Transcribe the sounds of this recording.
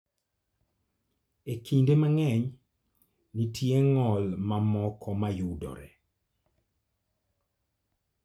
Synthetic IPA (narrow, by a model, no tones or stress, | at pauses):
ekindemaŋɛɲ | nitjeŋɔlmamɔkʰɔmajudɔ̰ɾɛ̰